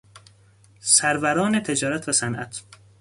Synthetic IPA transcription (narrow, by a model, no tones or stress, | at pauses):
sæɾvæɾɒːnet̪ʰe̞d͡ʒɒːɾæt̪ʰvæsænʔæ̰t̪ʰ